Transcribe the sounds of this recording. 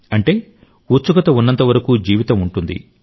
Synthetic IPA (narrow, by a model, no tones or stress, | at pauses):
ɐɳʈe̞ː | ut͡ʃːuɡɐt̪ɐunːɐnt̪ɐʋɐɾɐkuːd͡ʒiːʋit̪ɐmuɳʈund̪ḭ